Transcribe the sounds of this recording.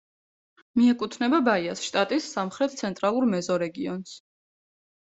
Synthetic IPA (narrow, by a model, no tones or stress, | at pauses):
miɛkʼut̪ʰnɛbabaiasʃt̪ʼat̪ʼisːamχɾɛt̪̚ʰt̪sʰɛnt̪ʼɾalˠuɾmɛzɔɾɛɡiɔns